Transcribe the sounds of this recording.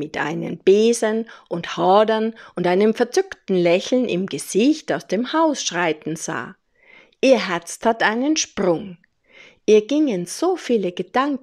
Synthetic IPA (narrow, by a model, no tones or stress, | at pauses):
ɪtʔa̰ɪnə̰mb̥eːzənʔʊnthɔːdɐnʔʊntʔaɪnəmfɛɐt͡sʏktn̩lɛçl̩nʔɪ̰mɡəz̥ɪçtaʊsd̥eːmhaʊsʃʁ̥aɪtn̩za̰ː | ʔiːɐɦɛɐt͡stʰhatʔaɪnənʃpʁ̥ʊŋ | ʔiːɐɡɪŋənz̥oːfiːləɡəd̥aŋk